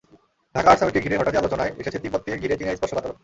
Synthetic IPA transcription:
dʱakaɾʃamikeɡʱiɾeɾɦɔʈat̪ialot͡ɕonaeḛʃet͡ɕʰet̪ipot̪ːieɡʱiɾet͡ɕinajsbɔɾʃobat̪ɾo

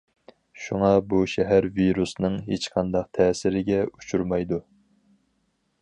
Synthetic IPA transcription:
ʃuŋɑbuʃɛɦæɾviɾusnɨŋɦet͡ʃqʰɑnd̪ɑq̚t̪ʰɛːsɪɾɪɡʲɛut͡ʃʰuɾmɑjd̪u

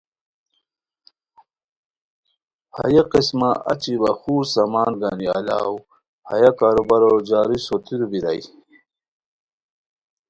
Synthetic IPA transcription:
ha̰jaqismaʔa̰t͡ɕibaxuːɾsamaːnɡania̰la̰ːw | ha̰jakaːɾubaɾod͡ʑaːɾisot̪iɾubiɾa̰j

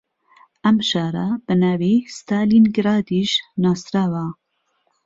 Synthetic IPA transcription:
ʔɐmʃɑːɾab̥ɨnaːvist̪aːlinɡɾaːd̪iʃnaːsɾaːva

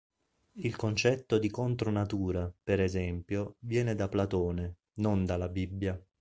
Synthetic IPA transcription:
ilkont͡ʃɛt̪ːod̪ikont̪ɾonat̪uːɾapeɾezɛmpjovjɛːned̪aplat̪oːne | nond̪alabibːja

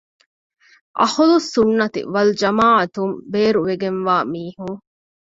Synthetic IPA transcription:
ʔɐ̰hulusːunːɐt̪ḭʋɐld͡ʒɐmaːʕɐt̪umbeːɾuʋeɡenʋaːmiːhuŋ

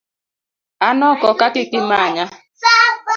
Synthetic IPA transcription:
anɔkɔkakɪkɪmaɲa

